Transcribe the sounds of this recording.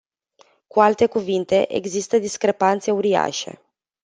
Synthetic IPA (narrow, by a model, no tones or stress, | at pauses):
kualt̪e̞kuvint̪e̞ʔḛɡzist̪əd̪iskɾe̞pant̪se̞uɾia̰ʃe̞̰